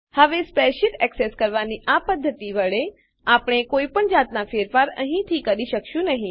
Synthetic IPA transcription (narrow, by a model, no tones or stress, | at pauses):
həʋespeʃɪʈɛkseskəɾʋaniʔapəd̪ʱːət̪iʋəɭe | apɳ̃ekoipəɳd͡ʒat̪nafeɾfaɾə̰ɦĩt̪ʰikəɾiʃəkʃũnəɦĩ